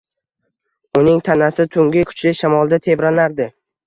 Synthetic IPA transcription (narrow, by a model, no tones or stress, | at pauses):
ʊnɪŋt̪ʰanasɪt̪ʰʊŋɡʲɪkʲʰʊ̥t͡ʃlɪʃamɒlˠd̪at̪ʰe̞bɾanaɾd̪ɪ